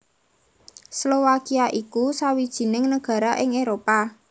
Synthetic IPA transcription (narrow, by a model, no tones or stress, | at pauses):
slowakiaʔikusawid̥ʒ̥i̤nɪŋnəɡ̥ä̤ɾaʔɪŋeɾopa